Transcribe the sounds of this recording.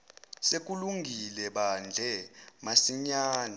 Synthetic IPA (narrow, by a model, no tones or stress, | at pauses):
sek̬ʼuluŋɡʱilɛɓand͡ɮʱɛmasiɲaːna